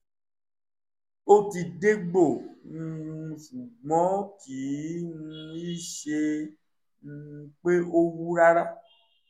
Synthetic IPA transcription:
o˦t̪i˨ɖe˦ɡ͡bo˨ŋũ˨u˨su˨ɡ͡bɔ̃˦ti˨˦ŋũ˦i˦ʃe˧ | ŋ̩˨u˨k͡pe˦o˦wu˦ɾa˦ɾa˦

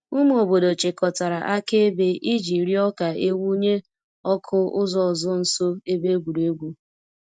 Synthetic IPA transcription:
u˦m˦o˨bo˨do˨t͡ʃɪ˨kɔ˨ta˨ɾa˨ʔa˦ke˦e˦be˦ʔi˦d͡ʒi˨ɾi˦ɔ˦ka˨e˦wu˦ɲe˦ | ɔ˦kʰʊ˦ʊ˦zɔ˨zʊ˦n̩˨so˦e˦be˦ɡʷu˨ɾu˨e˦ɡʷu˦

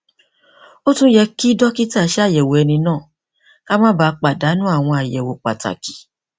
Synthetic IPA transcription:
o˦tũ˦jɛ˧ki˦dɔ˦ki˦ta˦˨˦ʃɛ˦a˦˨jɛ˨wo˨ɛ˧nĩ˧nãː˦˨ | ka˦mã˦ba˧˦˧k͡pa˨da˨˦nũ˦a˦˨w̃ɔ̃˧a˨jɛ˨wo˨k͡pa̰˨ta̰˨ki̥˨˦

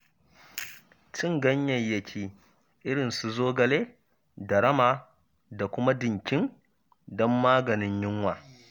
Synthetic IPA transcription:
t͡ʃɪ˦ŋɡɐ˦ɲjɐ˨jjɐ˨kʲʰiː˦ | ʔɪ˦ɽɪ˨nsu˨zoː˦ɡɐ˨leː˦ | dɐ˨ɾɐ˦maː˨ | da˨kʷʊ˦ma˦dɪ˨ŋkʲɪ˦n | dɔ˦mːaː˦ɡɐ˨nɪ˦ɲjɪ˦ŋwaː˨

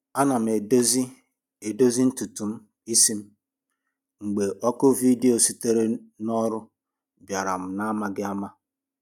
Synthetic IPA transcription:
a˦na˨m̩˨e˨do˦zi˦ | e˨do˦zi˦n̩˦tu˨tu˨m̩˦ | i˦si˦m̩˦ | ŋ͡m̩˨ɡ͡be˨ʔɔ˦kʊ˦vi˦de˦o˨si˦te˦ɾe˦nɔ˦ɾʊ˦ | bja˨ɾa̰˨m̩˨na˦ma˦ɡɪ˦a˦ma˦

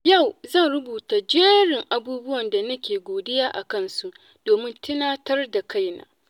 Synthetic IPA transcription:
ja˦˨wzɐ˦˨nɽʊ˦buː˨taː˨d͡ʒeː˦ɽɪ˨ŋʔa˨buː˦bʊ˦wɐ˨nda˨nɐ˦kʲeː˨ɡʷoː˨dɪ˦jaː˦ʔa̰˨kɐ˦nsu˦ʔ | d̥oː˨mɪ˦ntʰɪ˦naː˦tɐ˦rda˨ka˦˨jna̰ː˨˦

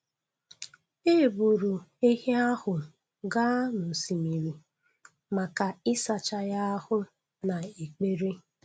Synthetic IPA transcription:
e˦˨bu˨ɾu˨e˦ɦe˦a˦hʊ˨ | ɡa˦nʊ˨si˨mi˨ɾi˨ | ma˨ka˨ɪ˦sa˨t͡ʃa˦ja˦hʊ˦ | na˨e˨k͡pe˦ɾi˦

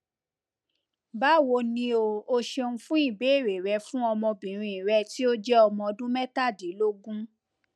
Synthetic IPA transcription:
ba˦wo˧nĩ˧o˧o˧ʃe˧ũ˧fũ˦i˦˨be˨˦˨ɾe˨ɾɛ˧fũ˦ɔ˧mɔ̃˧bĩ˨ɾ̃ĩ˧˨i˨ɾɛ˧˦ti˦o˦d͡ʒɛ˦ɔ˧mɔ̃˧ɔ˧dũ˦mɛ˦ta˦˨de˨˦lo˦ɡũ˦

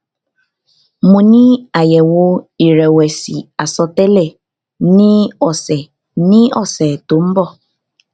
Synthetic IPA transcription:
mũ˨nĩ˦a˨jɛ˨wo˦i˨ɾɛ˨wɛ˨si˨a˨sɔ˨tɛ˦lɛ˨ | nĩ˦ɔ˨sɛ˨ | nĩ˦ɔ̰˨sɛ˨to˨˦m̩˦bɔ˦˨

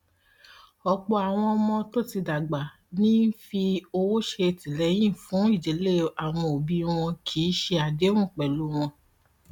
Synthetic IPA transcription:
ɔ˧k͡pɔ˧a˨w̃ɔ̃˧mɔ̃˧to˦˨ti˧da˨ɡ͡ba˨ | nĩ˦n̩˦fi˧o˧wo˦ʃe˧ti˨lɛ˨˦j̃ĩ˦˨fũ˨˦i˦˨d͡ʒe˨˦le˦˨a˨w̃ɔ̃˧o˨bi˧w̃ɔ̃˧kʰi˨˦ʃe˧a˨dẽ˦ũ˦˨k͡pɛ˨lu˨˦w̃ɔ̃˧

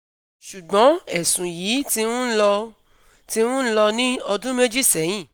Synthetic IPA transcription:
ʃu˨ɡ͡bɔ̃˨˦ɛ˨sũ˨jiː˨˦ti˧˦ũ˦lɔ˧ | ti˧˦wũ˦lɔ˧nĩ˦ɔ˧dũ˦me˦d͡ʒi˦sɛ˨˦j̃ĩ˦˨

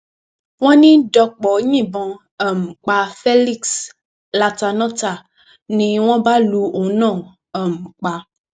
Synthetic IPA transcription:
w̃ɔ̃˦nĩ˦ɖɔ˨k͡pɔ˨˦ɲĩ˨bɔ̃˨ | ɛ˨m̩˨k͡pa˨fe˦li˦ks | la˨t̪a˨nɔ̃˦t̪a˨ | nĩ˨w̃ɔ̃˦ba˦lu˨wo˨nã˦˨ | ɛ˨m̩˨k͡pa˨

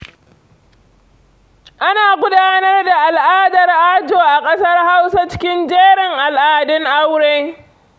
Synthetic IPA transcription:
ʔa˦naː˨ɡʷʊ˦daː˦nɐ˦rda˨ʔa˨lʔaː˦dɐ˨rʔaː˦d͡ʒoː˨ʔa˨kʼɐ˦sɐ˦rha˦wsa˦t͡ʃɪ̥˦kʲɪ˦nd͡ʒeː˦ɽɪ˨ŋʔa˨lʔaː˨dɪ˦ŋʔa˦wɽeː˦

